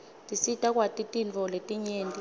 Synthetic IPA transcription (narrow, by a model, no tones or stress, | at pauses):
tʼisitʼak̬ʼwatʼitʼint͡fɔletʼiɲeːntʼi